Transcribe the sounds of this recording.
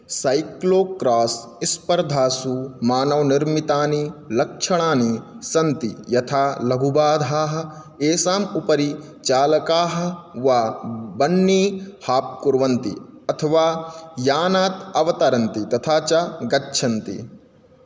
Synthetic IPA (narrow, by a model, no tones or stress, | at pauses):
sɐjkloːkɾaːs | ispɐɾd̪ʱaːsumaːnɐʋniɾmit̪aːnilɐkʂɐɽ̃aːni | sɐnt̪ijɐt̪ʰaːlɐɡʱubaːd̪ʱaːɦɐ̆ | eːsaːmupɐɾi | t͡ʃaːlɐkaːɦɐ̆ʋabɐnːiːhaːp̚kuɾʋɐnt̪ḭɐt̪ʰɐʋaːjaːnaːt̪ɐʋɐt̪ɐɾɐnt̪it̪ɐt̪ʰaːt͡ʃɐɡɐtːʃʰɐnt̪ḭ